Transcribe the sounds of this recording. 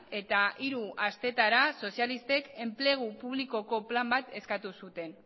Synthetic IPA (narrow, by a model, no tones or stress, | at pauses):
e̞t̪aʔiɾuast̪e̞t̪aɾaso̞sjalist̪e̞ke̞mple̞ɣ̞upuβ̞liko̞ko̞plambat̪e̞skat̪usut̪e̞n